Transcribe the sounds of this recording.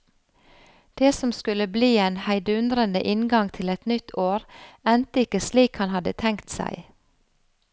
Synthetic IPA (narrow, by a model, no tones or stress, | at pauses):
d̪̥eːsɔmskʉləbliːeːnhæɪd̪əʉnd̪ɾənd̪ə̰ʔɪnɡɑŋt̪ʰɪlɛt̪nʏt̪ʰoːɾɛnt̪əɪkəsliːkhɑnhɑd̪ət̪ʰɛŋkt̪sæ̰ɪ